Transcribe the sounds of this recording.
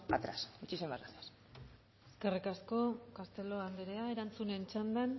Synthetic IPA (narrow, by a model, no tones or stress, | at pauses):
at̪ɾa̰sit͡ʃisembaɡasas | eske̞rikasko̞kast̪e̞lo̞and̪eɾeae̞ɾant͡sune̞nt͡ʃand̪an